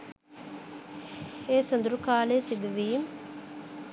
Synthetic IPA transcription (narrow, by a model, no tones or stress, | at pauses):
eːsənd̪uɾukaːlesid̪uʋiːm